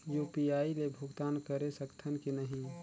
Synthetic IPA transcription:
jupijaːilebʱʊɡt̪aːnkəɾesəkt̪ʰənkinəɦĩ

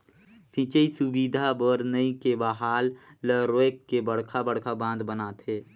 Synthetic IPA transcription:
sĩt͡ʃəisʊbiːd̪ʱabəɾnəikebaɦaːlːəɾoekːebəɽ̤kʰabəɽkʰabãːnd̪bənaːt̪eː

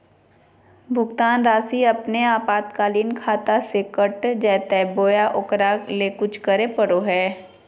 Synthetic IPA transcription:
bʱʊɡt̪aːnɾaːsiɐpneaːpaːt̪kaːliːnkʰaːt̪asekəʈd͡ʒɛːt̪ɛboːjaʔʊkɾalekʊt͡ʃʰkəɾepəɽoɦɛː

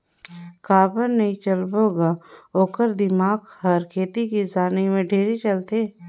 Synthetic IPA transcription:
kaːbəɾnɐɦĩt͡ʃɐlboːɡaːoːkəɾd̪ɪmaːɡhɐɾkʰeːt̪ikisaːnimẽɖʱeːɾit͡ʃɐlt̪eː

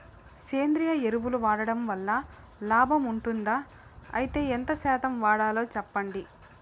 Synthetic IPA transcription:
seːnd̪ɾijɐeɾuʋuluʋaːɽɐɽɐmʋɐlːɐ | laːbʱɐmuɳʈund̪aː | ɐ̰jit̪e̞ːent̪ɐsɛːt̪ɐmʋaːɽaːlo̞ːt͡ʃɛpːɐɳɖi

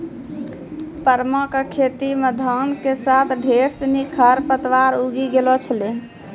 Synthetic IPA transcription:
pəɾməkkʰet̪iməd̪ʱankesat̪ʰɖʱeɾsənikʰəɾpət̪ʋaɾuɡiɡelɔt͡ʃʰəle

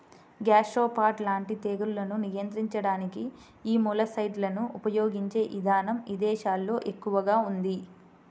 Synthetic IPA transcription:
ɡaːʃoːpaːɾʈlaːɳʈit̪eːɡuɾulɐnunijɐnt̪ɾiɲt͡ʃɐɽaːniki | iːmuːlɐsɐjɖlɐnuʔupɐjo̞ːɡiɲt͡ʃe̞ːʔid̪ʱaːnɐmid̪ɛːʃaːlːo̞ːʔe̞kːuʋɐɡaːund̪i

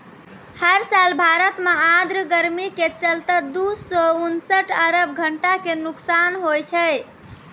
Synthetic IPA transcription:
həɾsalbʱaɾət̪mead̪ɾəɡəɾmiket͡ʃəlt̪əd̪usɔunsəʈəɾəbɡʱəɳʈakenuksanɦojt͡ʃʰəj

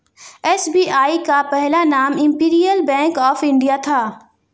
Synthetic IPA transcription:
ɛsbiːaːikapɛɦlanaːmɪ̃mpiːɾijəlbɛ̃ːŋkɔːfɪ̃ɳɖijat̪ʰaː

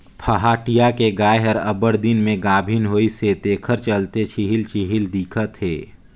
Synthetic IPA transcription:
pʰəɦaːʈijakeɡaːeɦəɾɐbəɽd̪ɪnmẽɡaːbʱinɦoːiset̪eːkʰəɾt͡ʃəlt̪et͡ʃʰiɦɪlt͡ʃiɦɪld̪iːkʰət̪ɦḛː

